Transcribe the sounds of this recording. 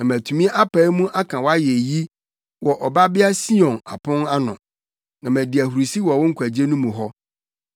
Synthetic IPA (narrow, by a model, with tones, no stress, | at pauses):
nã˨mæ̃˨tʰũ˨mĩ˦ʔa˦pa˨˦i˦mũ˦ʔa˦kʰã˨wɔ˦a˦jɛ˨ji˦ | wɔ˨ʔɔ˨ba˦bɪ˦a˦si˦ɔ̃˨na̰˨pʰʊ̃˦na˦nʊ̃˨ | nã˨mæ̃˨di˨æ˨hu˨ɾi˨si˦wɔ˨wʊ˦ŋ̩˦kʷʰæ˨d͡ʑe˦nũ˦mũ˨ɦɔ˦